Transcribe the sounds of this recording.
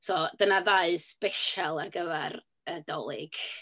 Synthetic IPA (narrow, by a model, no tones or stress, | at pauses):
sɔd̥ənaðaɨspɛʃalˠarɡəvɛr | ədɔlˠɪ̰ɡ̥